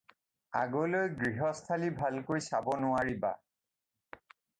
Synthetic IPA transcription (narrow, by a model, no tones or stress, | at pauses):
a̰ɡolojɡɹiɦɔstʰalibʱalkojsabɔnʊaɹiba̰